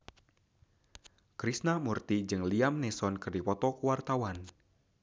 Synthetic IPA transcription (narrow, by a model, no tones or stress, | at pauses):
kɾisnamurt̪id͡ʒɨŋliamnɛsɔnkɨrdipɔt̪ɔkuwart̪awan